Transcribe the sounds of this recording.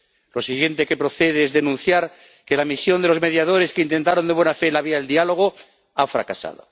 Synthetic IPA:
lo̞siɣje̞nt̪eke̞pɾo̞θe̞ð̞eezðe̞nũn̟θjaɾ | ke̞lamisjo̞nd̪eo̞zme̞ðjað̞o̞ɾe̞skeint̪e̞nt̪aɾo̞nd̪e̞βwe̞nafe̞laβiaðeld̪ialo̞ɣ̞o̞ | afɾa̰kasa̰ð̞o̰

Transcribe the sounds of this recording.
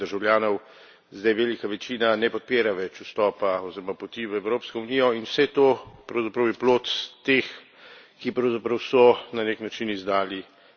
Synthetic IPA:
əɾʒawljaːnɔw | zd̪ajʋeːlikaʋɛt͡ʃiːnanɛpɔt̪̚peːɾaʋɛt͡ʃust̪ɔːpaɔziɾɔmapɔt̪iʋəɛwɾoːpskɔuniːjɔinwsɛt̪oːpɾɐwzapɾɐwjɛploːt̪st̪ex | kipɾɐwzapɾɐwsɔnaneknat͡ʃinizd̪aːli

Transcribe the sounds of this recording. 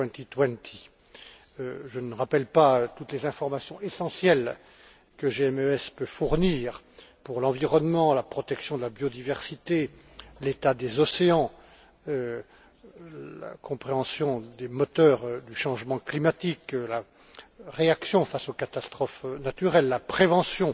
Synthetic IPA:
wɛ̃nt̪it̪wɛ̃nt̪ʰi | øʒənəʁapɛlpaøt̪ut̪lezɛ̃fɔʁmasjɔ̃esɑ̃sjɛl | kəʒeɛmøɛspøfuʁniːʁpuʁlɑ̃viʁɔnmɑ̃lapχɔt̪ɛksjɔ̃d̪əlabjɔd̪ivɛʁsit̪e | let̪ad̪ezɔseɑ̃ | ø | la̰kʰɔ̃pχeɑ̃sjɔ̃d̪emɔt̪œʁd̪yʃɑ̃ʒmɑ̃klimat̪ikla | ʁeaksjɔ̃fasokat̪ast̪χɔfnat̪yʁɛlːapχevɑ̃sjɔ̃

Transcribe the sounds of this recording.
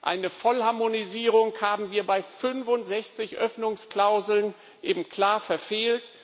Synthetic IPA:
ʔa̰ɪnəfɔlhaɐmoniziːʁʊŋhaːbm̩viːɐbaɪfʏnfʊntz̥ɛçt͡sɪçʔœfnʊŋskl̥aʊzl̩n | ʔeːbm̩kʰl̥aːɐfɛɐfeːlt

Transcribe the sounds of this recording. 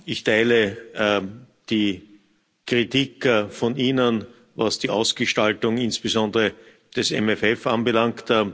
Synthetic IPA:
ɪçtʰæɪlə | d̥iː | kʁitikfɔniːnən | vasd̥iʔaʊsɡ̥əʃtaltʊŋɪnsb̥əzɔ̃ndəʁə | d̥ɛsɛ̰mɛfɛfanbəlaŋkt

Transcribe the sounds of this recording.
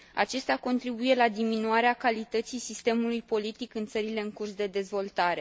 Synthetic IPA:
a̰t͡ʃe̞st̪eako̞nt̪ɾibuje̞lad̪iminuaɾeakalit̪ət̪sijsist̪e̞mulujpo̞lit̪ikɨnt̪səɾile̞ɨŋkursd̪e̞d̪e̞zvo̞lt̪aɾe̞

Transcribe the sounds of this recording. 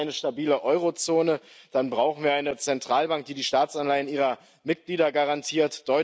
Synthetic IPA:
ɪnəʃtabiːləʔɔʏʁot͡soːnəd̥anbʁaʊxn̩viːɐaɪnət͡sɛntʁ̥aːlbaŋk̚d̥iːdiːʃtaːt͡sanlaɪənʔiːʁɐ | mɪt̚ɡ̥liːdɐɡaʁantʰiːɐtd̥ɔʏ

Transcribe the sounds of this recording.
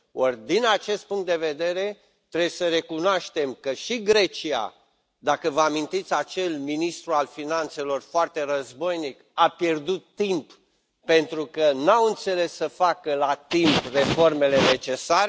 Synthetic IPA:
ord̪inat͡ʃe̞st̪̚puŋkt̪̚d̪e̞ve̞d̪e̞ɾe̞ | t̪ɾebjesəɾe̞kunoaʃt̪e̞mkəʃiɡɾe̞t͡ʃia̰ | d̪akəvəamint̪it̪sʲat͡ʃe̞lminist̪ɾualfinant̪se̞lo̞rfoart̪e̞rəzbo̞jnikapje̞rd̪ut̪ːimp | pe̞nt̪ɾukənawɨnt̪se̞le̞sːəfakəlat̪impre̞fo̞rme̞le̞ne̞t͡ʃe̞saɾ

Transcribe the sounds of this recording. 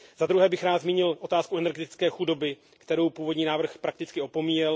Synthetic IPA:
zad̪ɾuɦɛːbɪxɾaːt̪zmiːɲɪlʔo̞t̪aːskuʔɛnɛɾɡɛt̪ɪ̥t͡skɛːxudo̞bɪ | kt̪ɛɾo̞wpuːvo̞dɲiːnaːvr̩xpɾak̚t̪ɪt͡skɪo̞po̞miːjɛl

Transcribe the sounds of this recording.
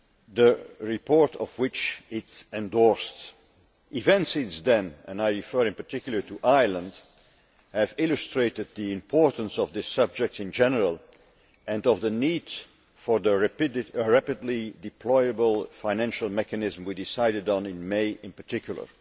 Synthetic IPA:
ðəɹɪpʰɔɹtʌ̰vwɪt͡ʃɪtsɛ̃ndɔɹst | ʔɪvɛ̃ntsizdɨ̃nɨ̃naɪɹifɜɹɨ̃npə˞tʰɪkjl̩ˠə˞tʰuʔaɪlˠə̃nd | hɨvɪlˠɨstɹ̥eɪɾɨd̪̚ðiɪ̃mpʰɔɹtn̩sɔvðɪsʌb̚d͡ʒɛk̚tɨ̃nd͡ʒɛnəɹəlˠ | ɨ̃nʌvðənid̥ | fə˞ðəɹɹæpɨdˡlidɨpʰl̥ɔɪəbəlˠfãɪ̃næ̃nʃəl̩ˠmɛkɨnɪzmwidɪsaɪɾɨdn̩ɪ̃nmeɪʔɪ̃npə˞tʰɪkʰjl̩ˠə̰˞

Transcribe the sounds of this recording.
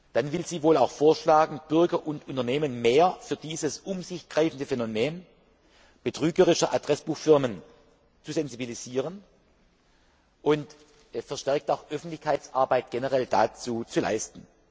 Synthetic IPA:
d̥anvɪlziːvoːlaʊxfoːɐʃlaːɡŋ̩b̥ʏɐɡɐʔʊntʊntɐneːmənmeːɐfyːɐdiːzəsʔʊmzɪçɡ̥ʁaɪfn̩dəfɛnomeːn | b̥ətʁ̥yːɡəʁɪʃɐʔadʁɛsb̥uːxfɪɐmən | t͡suzɛnzibiliziːʁən | ʔʊnt | fɛɐʃtɛɐk̚taʊxʔœfn̩tlɪçkʰaɪt͡sʔaɐbaɪt̚ɡ̥ɛnəʁɛld̥at͡suːt͡sula̰ɪstn̩

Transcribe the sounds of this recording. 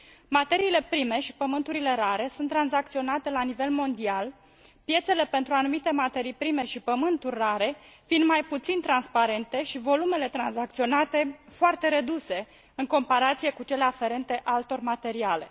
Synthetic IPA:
mat̪e̞ɾiːle̞pɾime̞ʃi̥pəmɨnt̪uɾile̞ɾaɾe̞sunt̪ːɾanzak̚t̪sio̞nat̪e̞lanive̞lmo̞nd̪ial | pje̞t̪se̞le̞pe̞nt̪ɾuanumit̪e̞mat̪e̞ɾijpɾime̞ʃipəmɨnt̪urʲːaɾe̞ | find̪majput̪sint̪ɾanspaɾe̞nt̪e̞ʃivo̞lume̞le̞t̪ɾanzak̚t̪sio̞nat̪e̞foart̪e̞ɾe̞d̪use̞ | ɨŋko̞mpaɾat̪sije̞kut͡ʃe̞le̞afe̞ɾe̞nt̪e̞ʔalt̪o̞rʲmat̪e̞ɾiale̞̰

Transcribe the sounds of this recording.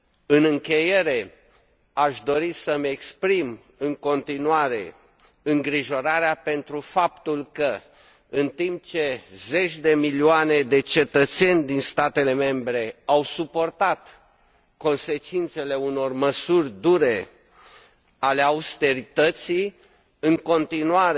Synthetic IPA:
ɨnɨŋkʲe̞je̞ɾe̞ | aʃd̪o̞ɾisəmekspɾim | ɨŋko̞nt̪inuaɾe̞̰ | ɨŋɡɾiʒo̞ɾaɾeape̞nt̪ɾufapt̪ulkə | ɨnt̪imp̚t͡ʃe̞ze̞t͡ʃʲd̪e̞milioane̞d̪e̞t͡ʃe̞t̪ət̪se̞nʲd̪inst̪at̪e̞le̞me̞mbɾe̞awsupo̞rt̪at̪ | ko̞nse̞t͡ʃint̪se̞le̞uno̞rməsurʲd̪uɾe̞ | ale̞aust̪e̞ɾit̪ət̪si | ɨŋko̞nt̪inuaɾ

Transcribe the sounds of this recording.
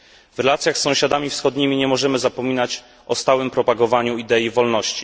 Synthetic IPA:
vɾɛlat̪sʲjaxsːɔ̃w̃ɕad̪amʲifsxɔd̪ɲimʲiɲɛmɔʐɛmɘzapɔmʲinat͡ɕ | ʔɔst̪awɘmpɾɔpaɡɔvaɲuid̪ɛjivɔlnɔɕt͡ɕi̥

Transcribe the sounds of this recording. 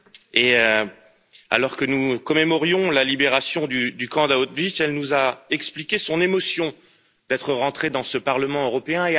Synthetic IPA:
e | a̰lɔʁkənukɔmemɔʁjɔ̃lalibeʁasjɔ̃d̪yd̪ykɑ̃d̪aot̪viʃɛlnuzaɛksplikʲesɔ̃nemɔsjɔ̃ | d̪̥ɛt̪χəʁɑ̃t̪χed̪ɑ̃səpaʁləmɑ̃øʁɔpeɛ̃e

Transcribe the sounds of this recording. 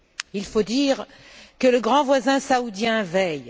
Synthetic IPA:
ilfod̪iːʁ | kələɡʁɑ̃vwazɛ̃saud̪jɛ̃vɛj

